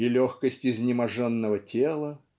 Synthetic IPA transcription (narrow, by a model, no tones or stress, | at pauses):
ilʲoxkəsʲtʲɪzʲnʲɪmɐʐɛnːəvətʲelˠə